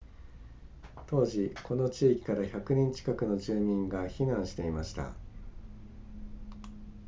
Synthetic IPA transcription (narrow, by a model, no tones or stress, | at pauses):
t̪o̞ːʑikʰo̞no̞t͡ɕiːkʲi̥kaɾaçakɯ̟nẽ̞ɲt͡ɕi̥kakɯ̟no̞ʑɨːmʲĩŋɡaçinãɰ̃ɕi̥t̪e̞imaɕi̥t̪a̰